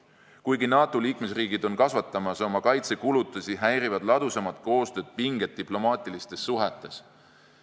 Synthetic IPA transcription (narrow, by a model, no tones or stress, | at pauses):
kujɡinɑːt̪ˑoliːkme̞sriːɡ̥id̪̥o̞nkɑsvɑt̪ːˑɑmɑso̞mɑkɑjt̪se̞kulut̪ːˑusʲiɦæjɾivɑd̪̥lɑd̪̥usɑmɑt̪̚ˑko̞ːst̪ø̞ːd̪̥̚piŋɡ̥e̞t̪̚ːiplo̞mɑːt̪ʲˑilist̪e̞sːuɦɛt̪ːˑe̞s